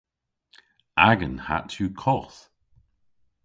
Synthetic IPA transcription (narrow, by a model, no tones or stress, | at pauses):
aɡə̃nha̰tʰuːkʰɔθ